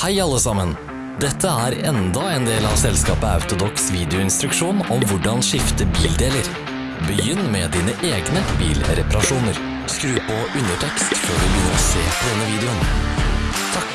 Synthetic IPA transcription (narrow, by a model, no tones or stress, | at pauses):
hæɪɑlːəsɑmən | d̪ɛt̪ʰːəæːɾɛnd̪ɑeːnd̪eːlɑʋsɛlskɑːpəɑ̰ʉt̪ʊd̪ɔksʋiːd̪ɛɪʊɪnst̪ɾʉkʂuːnɔmʋʊɖɑnʂɪft̪əbiːld̪eːləɾ | bəjʏnːmɛd̪iːnəʔeːɡnəbḭːlɾɛpɑɾɑʂuːnəɾ | skɾʉːpɔʉnəʈʰɛkst̪føːɖʉbɪːnɾɔsḛːpʰɔd̪ɛnːəʋiːd̪ɛʊn | t̪ʰ